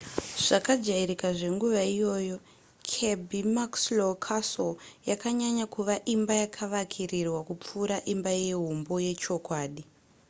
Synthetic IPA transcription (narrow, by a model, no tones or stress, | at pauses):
ʐ̥akad͡ʒaiɾikaʐe̞ŋɡuʋaijo̞ːjo̞ | kʰe̞bʱimakslokʰasoljakaɲaɲakuʋaʔimbajakʰaʋakʰirirwakup͡fuːɾaʔimbaje̞ɦumbo̞je̞t͡ʃo̞kwaːɗi